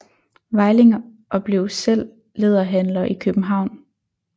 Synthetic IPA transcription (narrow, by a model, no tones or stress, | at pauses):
ʋɑ̈ɪle̝ŋɐ | ʔɒ̽b̥le̝ʊsel̰ː | e̝ːð̞ˠɐɦænlɐʔikʰøb̥m̩ɦɑ̈ʊ̰n